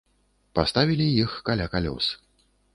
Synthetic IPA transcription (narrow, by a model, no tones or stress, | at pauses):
past̪avʲilʲijixkalʲakalʲɔ̰sɨ̥